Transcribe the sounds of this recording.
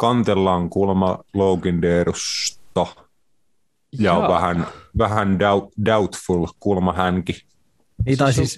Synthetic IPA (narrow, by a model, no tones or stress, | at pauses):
kɑnt̪elːɑːŋkulmɑloukindeːɾust̪ɑ | jɑʋæhænʋæhændædaut̪fulkulmɑhæŋki | it̪ɑsi